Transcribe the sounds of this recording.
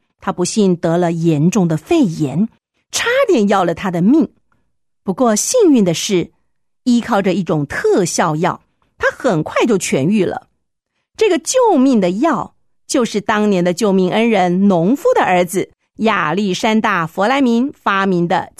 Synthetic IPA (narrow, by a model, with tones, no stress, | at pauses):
t̪ʰa˥pu˧˥ɕi˥˩nt̪ɤ˧˥lə˧jɛ˧˥nʈ͡ʂʊ˥˩ŋd̪ə˩fe˥˩ɪjɛ˧˥n | ʈ͡ʂʰa˥t̪jɛ˥˧njɑ˥˩ʊlə˩t̪ʰa˥d̪ə˨mi˥˩ŋ | pu˧˥kwɔ˥˧ɕi˥˧ŋy˥˩nd̪ə˩ʂɻ̩˥˩ | i˥kʰɑ˥˩ʊʈ͡ʂə˧˦i˥˩ʈ͡ʂʊ˨˩ŋt̪ʰɤ˥˧ɕjɑ˥˧ʊjɑ˥˩ʊ | t̪ʰa˥xə˨˩nkʰwa˥˧ɪt͡ɕjo˥˩ʊt͡ɕʰɥɛ̰˧˥ny˥˩lə̰˩ | ʈ͡ʂɤ˥˩ɡə˩t͡ɕjo˥˧ʊmi˥˩ŋd̪ə˩jɑ˥˩ʊ | t͡ɕjo˥˧ʊʂɻ̩˥˩t̪ɑ˥ŋnjɛ˧˥nd̪ə˧t͡ɕjo˥˧ʊmi˥˩ŋʔə˥nɻə˧˥nnʊ˧˥ŋfu˥d̪ə˨ʔə˞˧˥d͡zɹ̩˧ | ja˨˩li˥˩ʂa˥nt̪a˥˩fwɔ˧˥la˧˥ɪmi˧˥nfa˥mi˧˥nd̪ə̰˧